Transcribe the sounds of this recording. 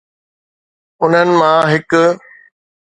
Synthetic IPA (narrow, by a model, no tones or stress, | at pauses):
ʊn̤ənɪ̆mãɦɪk